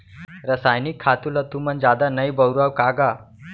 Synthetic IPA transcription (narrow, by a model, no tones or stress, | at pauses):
ɾəsajnikʰːat̪ulat̪umənd͡zad̪anəjbəwɾawkaɡa